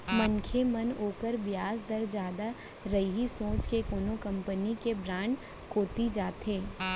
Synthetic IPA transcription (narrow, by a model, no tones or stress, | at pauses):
mənkʰemɐnoːkəɾbjaːsd̪əɾd͡ʒjaːd̪a | ɾɐiɦisõːt͡ʃkekoːnokɐ̃mpənikebɾãːɳɖ | koːt̪id͡ʒaːt̪eː